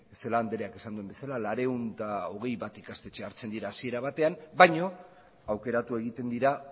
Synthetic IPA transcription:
eselaːnd̪e̞ɾeake̞sand̪uembe̞salalaɾe̞unt̪ao̞ɣ̞e̞jβat̪ikast̪e̞t͡ʃeaɾt͡se̞nd̪iɾaːsie̞ɾaβat̪e̞anbajɲo̞ | awke̞ɾat̪ue̞ɣ̞it̪e̞nd̪iɾa

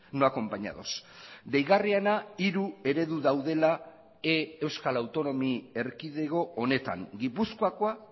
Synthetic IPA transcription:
no̞ako̞mpaɲa̰ðo̞sd̪e̞jɣarianaiɾue̞ɾe̞ðuðawðe̞la | ee̞wskalawt̪o̞no̞mie̞ɾkiðe̞ɣo̞ːne̞t̪a̰ŋɡipuskoakoa

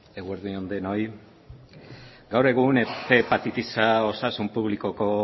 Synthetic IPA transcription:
e̞ɣueɾðuond̪eno̞j | ɡawɾe̞ɣ̞unepe̞pat̪it̪isao̞sasumpuβliko̞ko̞

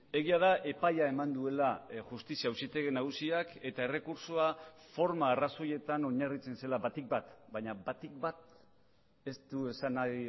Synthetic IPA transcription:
e̞ɣiaðaʔe̞pajae̞mand̪ue̞laʝust̪isiawsit̪eɣenaɣ̞usiake̞t̪ae̞re̞kuɾsoafo̞ɾmaːraso̞je̞t̪ano̞ɲarit͡se̞nse̞laβat̪ik̚bat̪baɲabat̪ik̚bat̪̚ | e̞st̪ue̞sana

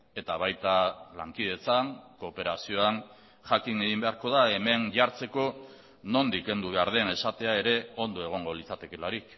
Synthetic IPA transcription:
e̞t̪aβ̞ajt̪alaŋkið̞e̞t͡saŋko̞ːpe̞ɾasio̞aŋ | ʝakineɣimbe̞aɾko̞ðae̞me̞nʝaɾt͡se̞ko̞ | no̞nd̪ike̞nd̪uβ̞e̞aɾð̞e̞ne̞sat̪e̞ae̞ɾe̞o̞nd̪o̞e̞ɣ̞o̞ŋɡo̞lit͡sat̪e̞ke̞laɾik

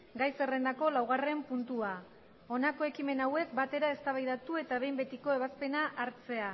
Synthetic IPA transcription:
ɡajse̞re̞nd̪ako̞lawɣ̞are̞mpunt̪ua | o̞nako̞e̞kime̞nawe̞k̚bat̪e̞ɾae̞st̪aβajðat̪ue̞t̪aβe̞jmbe̞t̪iko̞e̞βaspe̞naʔːɾt͡se̞a

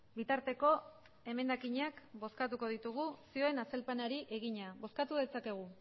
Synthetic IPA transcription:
bit̪aɾt̪e̞ko̞ | e̞me̞nd̪akiɲakbo̞skat̪̬uko̞ð̞it̪uɣ̞usio̞e̞nase̞lpanaɾiʔe̞ɣ̞iɲabo̞skat̪uðe̞t͡sake̞ɣ̞u

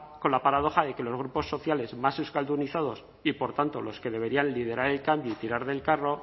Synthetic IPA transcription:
ko̞nlapaɾað̞o̞xaðe̞ke̞lo̞zɣ̞ɾupo̞sːo̞θjale̞zmasuskald̪uniθaðo̞s | ipo̞ɾt̪ant̪olo̞ske̞ð̞e̞β̞e̞ɾianlið̞e̞ɾaɾe̞lkambjoit̪iɾaɾðe̞lkaro̞

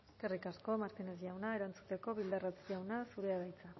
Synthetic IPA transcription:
eskerikasko̞maɾt̪ine̞z̬ʝawnae̞ɾant͡sut̪e̞ko̞βild̪arat͡sʝawnasuɾe̞aβajt͡sa

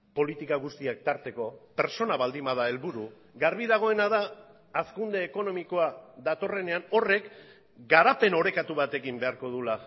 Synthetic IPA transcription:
po̞lit̪ikaɣust̪iak̚t̪aɾt̪e̞ko̞pe̞ɾso̞naβald̪imað̞ae̞lβuɾu | ɡaɾβiðaɣ̞o̞e̞naðaː | skund̪e̞ːko̞no̞miko̞aðat̪o̞re̞ne̞ano̞re̞k | ɡaɾape̞no̞ɾe̞kat̪uβat̪e̞kimbe̞aɾko̞ðula

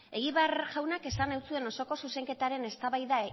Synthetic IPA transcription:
e̞ɣiβaɾʝawnake̞sanawt͡sue̞no̞so̞ko̞suse̞ŋke̞t̪aɾe̞ne̞st̪aβajða

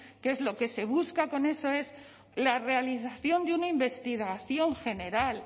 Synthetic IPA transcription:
ke̞zlo̞ke̞se̞β̞uskako̞ne̞so̞e̞z | lare̞aliθaθjo̞nd̪eunaimbe̞st̪iɣaθjo̞ŋxe̞ne̞ɾal

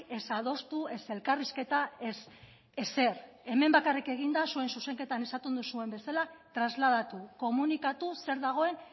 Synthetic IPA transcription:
e̞sað̞o̞st̪ue̞se̞lkariske̞t̪aes | ese̞ɾ | e̞me̞mbakarike̞ɣ̞ind̪asue̞nsuse̞ŋke̞t̪anesat̪und̪usue̞mbe̞salat̪ɾazlað̞at̪uko̞munikat̪use̞ɾðaɣ̞o̞e̞n

